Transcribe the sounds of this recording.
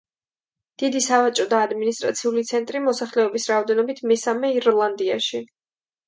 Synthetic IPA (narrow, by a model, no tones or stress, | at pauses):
d̪̥id̪isavat͡ʃʼɔd̪aːd̪minist̪ʼɾa̰t̪sʰiulit̪sʰɛnt̪ʼɾimɔsaχlɛɔbisɾaɔd̪ɛnɔbit̪ʰmɛsamɛiɾlˠand̪iaʃi